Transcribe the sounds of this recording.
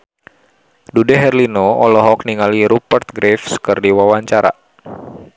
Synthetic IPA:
dudɛɦɛrlinoɔlɔɦɔk̚niŋaliɾupərt̪̚ɡɾefsə̥kɨrdiwawaɲt͡ʃaɾa̰

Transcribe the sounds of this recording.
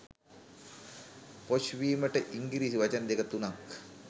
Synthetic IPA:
poʃʋiːməʈəʔiŋɡiɾiːsiʋat͡ʃənd̪ekət̪unak

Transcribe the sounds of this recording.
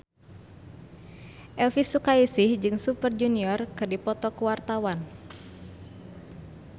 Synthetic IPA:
ʔɛlfisukaisihd͡ʒɨŋsupərd͡ʒuniɔrkɨrdipɔt̪ɔkəwart̪awan

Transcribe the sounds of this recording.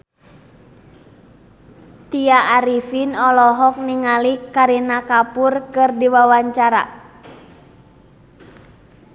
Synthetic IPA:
t̪iaʔːɾifinɔlɔɦɔk̚niŋalikaɾinakapurkɨrdiwawaɲt͡ʃaɾa̰

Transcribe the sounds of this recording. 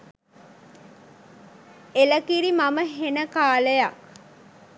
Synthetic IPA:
eləkiɾimaməɦenəkaːləjaʔ

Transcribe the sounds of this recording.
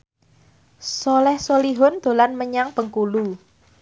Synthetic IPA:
sɔlɛhsoliɦɔnd̪̥o̤lanməɲaŋpəŋkulu

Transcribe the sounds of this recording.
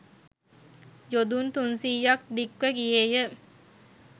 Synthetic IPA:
jod̪unt̪unsiːjːak̚d̪ikʋəɡijejə

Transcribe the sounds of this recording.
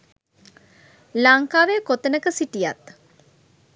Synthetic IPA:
laŋkaːʋekot̪ənəkəsiʈija̰t̪

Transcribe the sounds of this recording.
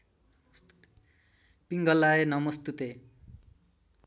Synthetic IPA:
piŋɡʌlːaenʌmʌst̪ut̪e

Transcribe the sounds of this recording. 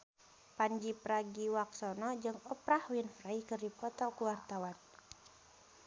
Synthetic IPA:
paɲd͡ʒipɾaɡiwaksɔnɔd͡ʒɨŋɔpɾahwinfraikɨrdipɔt̪ɔkuwart̪awan

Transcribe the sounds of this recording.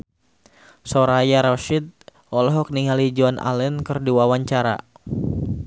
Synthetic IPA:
sɔɾajaɾɔʃit̪̚ | ʔɔlɔɦɔk̚niŋalid͡ʒɔnʔa̰lɛnkɨrduwawaɲt͡ʃaɾa̰

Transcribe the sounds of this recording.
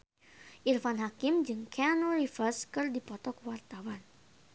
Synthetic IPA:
ʔirfanɦakɪmd͡ʒɨŋkeanorifərskɨrdipɔt̪ɔkwart̪awan

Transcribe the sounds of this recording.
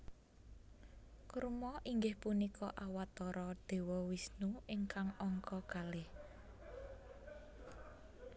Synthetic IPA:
kuɾmɔʔiŋɡɪhpunikʰɔʔawat̪ɔɾɔd̪̥e̤wɔwisnuɪŋkaŋɔŋkɔkalɪh

